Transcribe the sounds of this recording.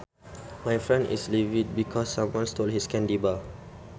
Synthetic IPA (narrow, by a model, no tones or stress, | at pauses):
majfɹɛ̃ndḭslivid̚bikʰɔsːãmwãnstoldhiskɛ̃ndiba